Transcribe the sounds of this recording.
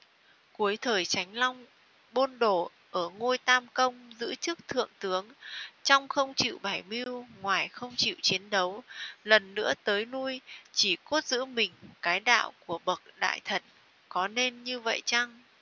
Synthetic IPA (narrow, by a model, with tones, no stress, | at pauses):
ku˨˦əjt̪ʰəː˨˩jt͡ɕa˨˦jŋ̟lɔ˧wŋ͡m | ɓo˧nɗo˧˩ | ʔəː˧˩ŋo˧jt̪aː˧mkə˧wŋ͡mzɨ̰˧˥t͡ɕɨ˦˥k̚t̪ʰɨ̰˧˨əŋt̪ɨ˨˦əŋt͡ɕɔ˧wŋ͡mxə˧wŋ͡mt͡ɕḭ˧˨wɓa˧˩jmi˧wŋwaː˨˩jxə˧wŋ͡mt͡ɕḭ˧˨wt͡ɕi˨˦ənɗə˨˦wlə˨˩nːɨ̰˧˥ət̪əː˨˦jnu˧jt͡ɕi˧˩ko˦˥t̚zɨ̰˧˥mï˨˩ŋ̟kaː˨˦jɗa̰ː˧˨wku˧˩əɓə˨˩k̚ɗa̰ː˧˨jt̪ʰə˨˩n̚ | kɔ˨˦ne˧nɲɨ˧və̰˧˨jt͡ɕa˧ŋ